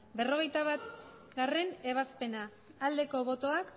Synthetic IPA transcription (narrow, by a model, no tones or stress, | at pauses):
be̞ro̞ɣ̞ejt̪aβat̪ | ɡare̞ne̞β̞aspe̞naː | ld̪e̞ko̞βo̞t̪o̞ak